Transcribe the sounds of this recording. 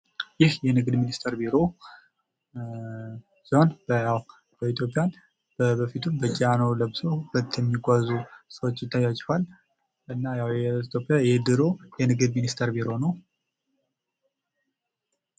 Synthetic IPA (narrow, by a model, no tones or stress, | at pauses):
jɪhjɛnɨɡɨd̪minist̪ʰəɾbiɾo̞ | siho̞nbəjaw | bəit̪ʰjo̞pʼjan | bəbəfit̪ʰumbəd͡ʒʼianoləbsohulət̪ːjɛmːiɡʷazusəwot͡ʃːt̪ʰːajat͡ʃʼfal | ʔɨnːajawjɛit̪ʰjo̞pʼːijajed̪ɨɾojɛnɨɡɨd̪minist̪ʰəɾbiɾo̞nəw